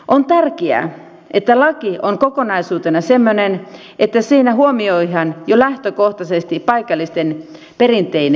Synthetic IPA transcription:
ʔont̪ærkiæ̰ | ʔet̪ːælɑkioŋkokonɑisuːt̪enɑsemːonen | ʔet̪ːæsiːnæɦuomioiɦɑnjolæht̪økoht̪ɑsest̪ipɑikɑlːist̪en | perint̪ˑeine

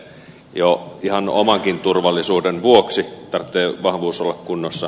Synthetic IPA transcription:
joihɑno̰mɑŋkint̪urʋɑlːˑisuːdenʋuoksit̪ɑrt̪ːeːʋɑhʋuːsolːɑkkunːosːɑ

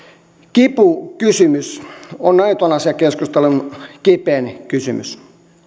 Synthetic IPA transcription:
kipukysymysonnɑit̪onɑsjɑkeskust̪elunkipeːnkysymy̰s

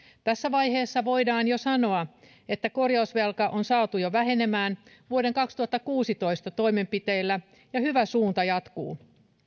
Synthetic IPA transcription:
t̪æsːæʋɑjhe̞ːsːɑʋo̞idɑːnjo̞sɑno̞ɑ | et̪ːæko̞rjɑusʋelkɑʔonsɑːt̪ujoʋæɦe̞ne̞mæːn | ʋuoɾe̞ŋkɑkst̪uhɑt̪ːɑkuːsit̪o̞ist̪ɑt̪o̞ime̞mpit̪e̞ilːæ | jɑhyʋæsuːnt̪ɑjɑt̪kṵː

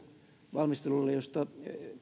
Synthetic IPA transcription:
ʋɑlmist̪elulːejost̪ɑ

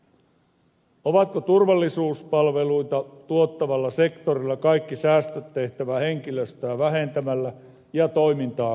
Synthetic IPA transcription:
oʋɑt̪kot̪urʋɑlːisuːspɑlʋe̞lujt̪ɑt̪uot̪ːɑʋɑlːɑse̞kt̪orilːɑkɑjkːisæːst̪øt̪ːe̞ht̪æʋæhe̞ŋk̟iløst̪æːʋæɦe̞nt̪æmælːæ | jɑt̪o̞jmint̪ɑː

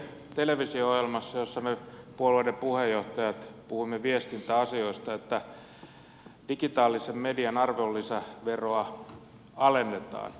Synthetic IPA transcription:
t̪eleʋisioohjelmɑsːɑjosːɑmepuolueidempuhejːoht̪ɑjɑt̪puhuimːeʋiest̪int̪æɑsioist̪ɑet̪ːæ | d̥ikit̪ɑːlːisemmediɑnɑrʋeulːisæʋeroɑ | ɑlenːet̪ɑ̰ːn

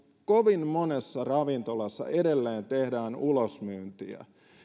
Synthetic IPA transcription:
koʋinmonesːɑrɑʋint̪olɑsːɑ̰ʔeɾelːeːnt̪ehdæːnulosmyːnt̪iæ̰

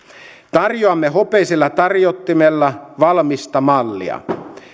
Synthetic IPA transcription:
t̪ɑrjoɑmːeɦo̞pe̞isilːɑt̪ɑrjot̪ːimelːɑʋɑlmist̪ɑmɑlːḭɑ̰

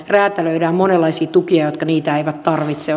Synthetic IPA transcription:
ræːt̪æløydæːmonelːɑisiːt̪ukiɑjot̪kɑniːt̪æeiʋæt̪t̪ɑrʋit̪se

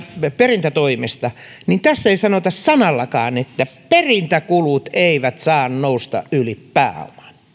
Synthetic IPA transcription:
perint̪æt̪oimest̪ɑ | nint̪æsːeisɑnot̪ɑssɑnɑlːɑkɑ̰ːnet̪ːæperint̪ækulut̪eiʋæt̪sɑːnnoust̪ɑ̰ʔʔylippæ̰ːɑ̰lɑ̥n

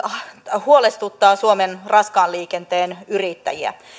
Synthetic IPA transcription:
huolest̪ut̪ːɑːsuomenrɑskɑːnliːkent̪eːnyrit̪ːæ̰jiæ̰

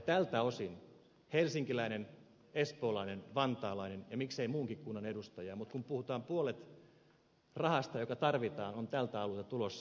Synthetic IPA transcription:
t̪ælt̪æosin | helsiŋkilæinen | espoːlɑinenʋɑnt̪ɑːlɑinenjɑmikseimuːŋkikkunːɑnedust̪ɑjɑːmut̪kumpuhut̪ɑːmpuolet̪ | rɑhɑst̪ɑjokɑt̪ɑrʋit̪ɑːnont̪ælt̪æɑlut̪ɑt̪ulosː

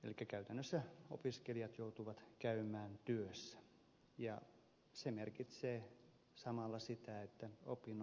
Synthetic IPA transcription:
ḛlikːækæyt̪ænːøsːæo̰piskelijɑt̪jout̪uʋɑt̪kæymæːnt̪yøsːæ̥ | jɑ | semerkit̪seː | sɑmɑlːɑsit̪æet̪ːæo̰pːin

